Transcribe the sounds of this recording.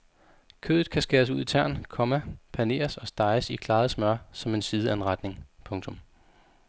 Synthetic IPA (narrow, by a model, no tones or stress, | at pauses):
kʰø̰ːð̩ˠkʰæsɡ̥eːɐs̬uð̞̰ˠit͡sʰæɐ̰nkʰɒ̽mæpʰæne̝̰ːɐsɒ̽sd̥ɑ̈ɪəsikʰlɑ̈ːð̩ˠsmɶɐ̰sɒ̽me̝nsiːð̞ˠəæenʁad̥ne̝ŋpʰɔ̽ŋt͡sʰɔ̽m